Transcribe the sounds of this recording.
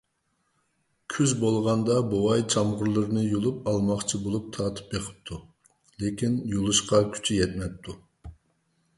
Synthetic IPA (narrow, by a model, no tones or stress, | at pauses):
kʲʰyzbolˠʁɑnd̪ɑbowɑjt͡ʃʰɑmʁʊɾlˠɨɾɨnɨjulˠup̚ɑlˠmɑχt͡ʃʰibolˠup̚t̪ʰɑːt̪ʰɨ̥p̚beqʰə̥p̚t̪ʰːu | lekʲinjulˠɨʃqɑkʲʰy̥t͡ʃʰijɛt̪mɛp̚t̪ʰːu